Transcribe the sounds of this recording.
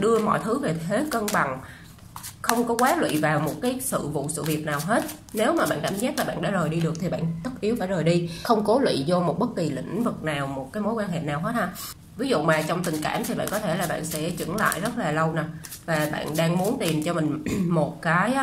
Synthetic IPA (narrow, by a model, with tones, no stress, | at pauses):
ɗɨ˧əmɔ̰˧˨jt̪ʰɨ˨˦ve˨˩t̪ʰe˨˦kə˧ŋɓa˨˩ŋ | xə˧wŋ͡mkɔ˨˦kwaː˨˦lwḭ˧˨vaː˨˩wmo˨˩t̚kaː˨˦jsɨ̰˧˨vṵ˧˨sɨ̰˧˨vi˨˩ət̚naː˨˩wɦe˦˥t̚ | ne˨˦wmaː˨˩ɓa̰ː˧˨nkaː˧˨mzɛː˦˥t̚laː˨˩ɓa̰ː˧˨nɗa̰ː˧˥zəː˨˩jɗi˧ɗɨ˨˩ək̚t̪ʰi˨˩ɓa̰ː˧˨nt̪ə˦˥t̚ʔi˨˦əwfaː˧˩jzəː˨˩jɗi˧xə˧wŋ͡mko˨˦lwḭ˧˨zɔ˧mo˨˩t̚ɓə˦˥t̚ki˨˩lḭ̈˧˥ŋ̟vɨ˨˩k̚naː˨˩wmo˨˩t̚kaː˨˦jmo˨˦jkwaː˧nɦḛ˧˨naː˨˩wɦə˧˦˥t̚haː˧ | vi˨˦zṵ˧˨maː˨˩t͡ɕwŋ͡mt̪i˨˩ŋ̟kaː˧˩mt̪ʰi˨˩ɓa̰ː˧˨nkɔ˨˦t̪ʰe˧˩laː˨˩ɓa̰ː˧˨nsɛ̰˧˥t͡ɕɨ̰˧˩˥ŋla̰ː˧˨jzə˦˥t̚laː˨˩lə˧wna˨˩ | vaː˨˩ɓa̰ː˧˨nɗaː˧ŋmu˨˦ənt̪i˨˩mt͡ɕɔ˧mï˨˩ŋ̟mo˨˩t̚kaː˨˦j